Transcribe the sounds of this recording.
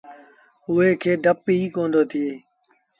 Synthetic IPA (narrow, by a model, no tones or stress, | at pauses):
ʊɦeːkʰeːɖʱəpiiːkõːnd̪oːt̪ʰɪeː